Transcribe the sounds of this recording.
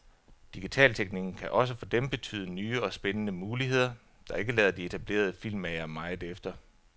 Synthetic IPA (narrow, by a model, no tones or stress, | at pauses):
d̥iɡ̥it͡sʰɛ̰ːlt͡sʰeɡ̥niɡ̥n̩kʰæʔɒ̽s̬əfɒ̽d̥emb̥e̝t͡sʰy̰ːð̞ˠənyːɒ̽sb̥enənəmuːliɦe̝ð̞̰ˠɐ | d̥ɑ̈e̝ɡ̥əlɛːðˠɐd̥ie̝t͡sʰæb̥le̝̰ːɐð̞̩ˠəfil̰mɛɪɐmɑ̈ɪðˠefd̥ɐ